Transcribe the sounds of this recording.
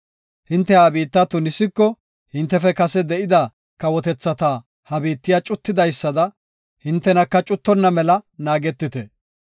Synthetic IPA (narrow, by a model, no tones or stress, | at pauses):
hɪnt̪ːɛhabiːt̪ːɐt̪ːʊnɪsɪkːɔ | hɪnt̪ːɛfɛkɐsɛd̪ɛʔɪd̪ɐ | kɐwɔt̪ɛt͡sːɐt̪a | hɐbiːt̪ːɪjat͡ʃʼʊt̪ːɪd̪ɐjsːɐd̪ɐ | hɪnt̪ːɛnɐkːɐt͡ʃʼʊt̪ːɔnːɐmɛlɐnaːɡɛt̪ːɪt̪ɛ̰